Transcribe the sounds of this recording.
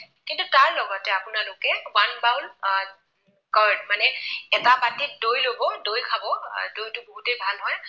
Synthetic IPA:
kintutaɹlɔɡɔtɛapʊnalokɛwanbaw̃n | kaɹdmanɛɛtapatit̚dojlobɔdojkʰabɔdojtʊbɔɦutejbʱalɦɔj

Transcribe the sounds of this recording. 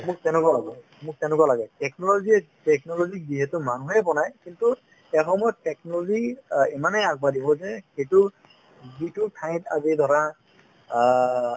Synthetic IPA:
mʊk̚tɛnʊkɔlaɡɔ | mʊk̚tɛnʊkalaɡɛtɛknɔlozi | tɛknɔlozik̚ziɦɛtʊmanuɦɛbɔnajkintu | ɛxɔmɔjɔttɛknɔlɔɡiimanɛaɡ̚badibɔzɛxejtʊ | zitʊtʰaj̃ta̰zid̪ʱɔɹa

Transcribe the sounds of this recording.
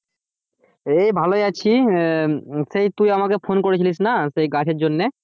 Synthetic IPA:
ejbʱaloeat͡ɕʰi | sejt̪ujamakefʰonkoɾet͡ɕʰilis̬nasejɡaʈʰeɾd͡ʑonːe

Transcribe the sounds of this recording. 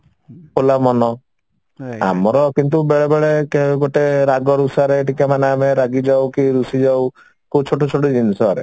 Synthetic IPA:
olamɔnɔ | a̰mɔɾɔkint̪̬ubeɭebeɭekeɡoʈeɾaɡɔɾusaɾeːʈikamaneameɾaɡid͡ʒawkiɾusid͡ʒaw | kot͡ʃʰoʈʰot͡ʃʰoʈid͡ʒinisɔɾḛ

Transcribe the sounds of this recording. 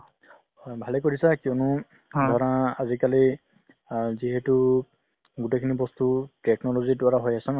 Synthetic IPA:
bʱalekoɹisakiɔnʊ | d̪ʱɔɹãazikali | ziɦɛtu | ɡutejkʰinibɔst̪utɛknɔlɔzidwaɹaɦojasɔn

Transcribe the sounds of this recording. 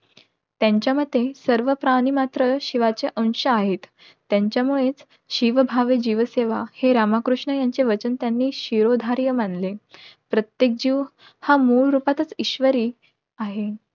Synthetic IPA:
t̪jaɲt͡ɕjaməd̪ʱːesəɾʋəpɾaɽ̃imat̪ɾəɕiʋat͡seʔə̃ŋ̃ɕəaɦet̪ː | jaɲt͡ɕjamuɭet͡s | ɕiʋəbʱaʋed͡ʑiʋəseʋaheɾamakɾuʂɳəjaɲt͡seʋət͡ɕənt̪janːiːɕiɾod̪ʱaɾjəmanlepɾət̪jek̚d͡ʑiːʋ | hamuɭɾupat̪ət͡siɕʋəɾiː | aɦe

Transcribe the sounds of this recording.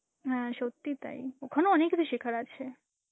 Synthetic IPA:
ɦãʃot̪ːit̪a̰ḭokʰənoənekb̪iʃikʰəɾat͡ʃʰe

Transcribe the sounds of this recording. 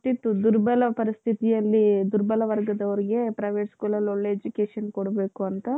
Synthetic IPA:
t̪it̪ːud̪uɾbɐlɐpɐɾist̪ʰit̪ijɐlːid̪uɾbɐlɐʋɐɾɡɐd̪ɐʋɐɾiɡe̞pɾɐjʋeːʈskuːlɐloɭːe̞ːd͡ʒukeːʂɐnkoɽɐbeːkuɐnt̪ɐ

